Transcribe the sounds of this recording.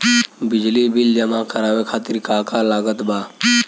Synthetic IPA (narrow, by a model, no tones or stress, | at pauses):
bɪd͡ʒlibɪld͡ʒəmakəɾaːʋekʰaːt̪ɪɾkaːkalaːɡət̪baː